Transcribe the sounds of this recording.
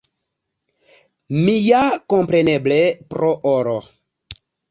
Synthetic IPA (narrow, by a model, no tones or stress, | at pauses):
mijakompɾeneblepɾoʔoɾo